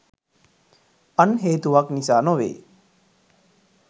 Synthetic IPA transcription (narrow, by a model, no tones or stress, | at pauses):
ɐnɦeːt̪uʋaknisaːnoʋḛː